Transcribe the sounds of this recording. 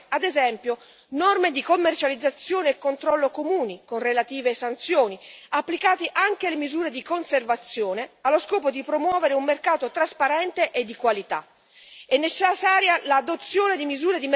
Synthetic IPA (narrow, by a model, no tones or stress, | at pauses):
ad̪ezɛmpjo | nɔrmed̪ikomːert͡ʃalid̪zːat̪sːjoːneːkːont̪ɾɔlːokomuːnikonrelat̪iːvesant̪sjoːniapːlikaːt̪eʔaŋkelemizuːɾed̪ikonservat̪sːjoːnealːoskɔːpod̪ipɾomwɔːveɾeumːerkaːt̪ot̪ɾaspaɾɛnt̪eʔed̪ːikwalit̪a̰ | ɛnːet͡ʃasaːɾjalad̪ot̪sːjoːned̪imizuːɾed̪im